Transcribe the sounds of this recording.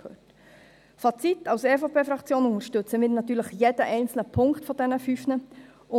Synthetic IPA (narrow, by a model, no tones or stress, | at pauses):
øːt | fɑt͡sit̪ːɑʊseːfopʰeːfɾɑkt͡sjoːnʊnt̪əɾʃtɵt͡səmɪːɾnɑt̪ːyːɾləχjed̥əʔɛɪnt͡sl̩nəpʰʊŋktfɔdɛnəfyfnə | ʊ